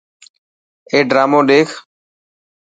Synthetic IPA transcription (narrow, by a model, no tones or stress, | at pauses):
eːɖɾaːmoːɗeːkʰ